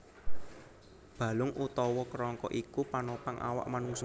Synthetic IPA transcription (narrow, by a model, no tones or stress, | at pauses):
b̥a̤lʊŋʔut̪ɔwɔkɾɔŋkɔ̰ʔikupanopaŋʔa̰wa̰ʔmanuŋs